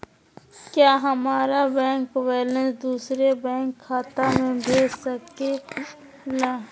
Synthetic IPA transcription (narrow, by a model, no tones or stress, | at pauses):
kjaːɦɐmaːɾabɛ̃ːŋkweːlə̃sd̪uːsɾebɛ̃ːŋkʰːaːt̪amẽbʱeːd͡ʒsəke | laː